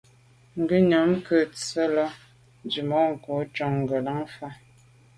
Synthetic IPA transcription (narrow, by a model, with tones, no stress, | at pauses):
ŋ˨ɡə˦ɲo˨˦mkə˦˨t͡sə˦lɔ˦ | d͡ʒi˨mɔ˦ŋ̩˨ko˨˦t͡ʃɔ˦˨ŋŋ˨ɡə˨la˦ŋfa˦